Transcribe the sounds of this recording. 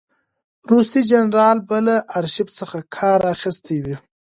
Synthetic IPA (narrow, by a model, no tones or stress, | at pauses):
ɾusid͡ʒanɾɑlbalaʔːɾʃibt͡səxakʰɑɾaxist̪ʰewi